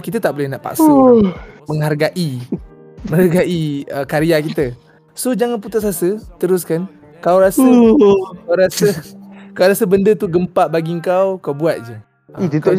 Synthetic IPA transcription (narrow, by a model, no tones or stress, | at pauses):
kit̪ət̪aʔbolɛhnaʔpa̰ʔsə | məŋɦarɡaʔi | mə̃ŋarɡaʔiəkaɾiakit̪ə | sod͡ʒaŋanput̪usasət̪əɾʊskan | kawɾasəkawɾasəkawɾasəbəndət̪uɡəmpaʔbaɡiəŋkawkawbuat̪̚d͡ʒə̰ | it̪ut̪o